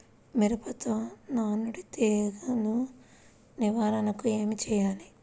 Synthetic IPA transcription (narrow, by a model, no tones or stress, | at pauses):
miɾɐpɐt̪onaːnuɽit̪eːɡɐnu | niʋaːɾɐnɐkueːmit͡ʃɛjaːli